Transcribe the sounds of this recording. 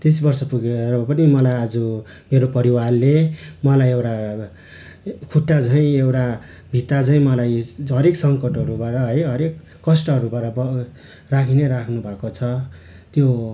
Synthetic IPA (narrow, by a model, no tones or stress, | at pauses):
t̪es̬bʌrsʌpuɡeɾpʌnimʌlajad͡zu | meɾopʌɾiwarlemʌlajewʈa | kʰuʈːat͡sʌĩewʈa | bʱit̪ad͡zʌĩmʌlajɦʌɾeksʌŋkʌʈɦʌɾubaʈʌɦʌjɦʌɾekːʌsʈʌɦʌɾubaʈʌbʌ | rakʰineɾakʰnubʱakot͡sʰʌ | t̪jo